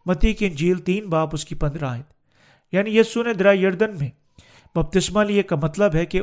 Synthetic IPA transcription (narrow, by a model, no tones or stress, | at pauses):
mɐt̪iːkɪ̃nd͡ʒiːlt̪iːnbaːpʊskipɐ̃nd̪ɾaːɪt̪ | jaːnijiːsuned̪ɪɾaːjɐɾd̪ənmẽ | bɐb̚t̪ɪsmaliekamɐt̪ləbɦɛke